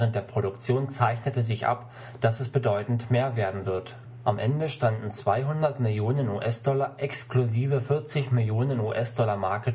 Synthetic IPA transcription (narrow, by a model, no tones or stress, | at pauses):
ʁənt̚d̥eːɐpʁ̥oɾʊkt͡sjoːnt͡saɪçnətəzɪçʔa̰p | d̥asɛsb̥ədɔʏtn̩tmeːɐveːɐdn̩vɪɐt | ʔamʔɛndəʃtandn̩t͡sv̥aɪɦʊndɐtmɪljoːnənṵːʔɛsd̥ɔlɐʔɛkskluziːvəfɪɐt͡sɪçmɪljoːnənuːʔɛsd̥ɔlɐmaɐkə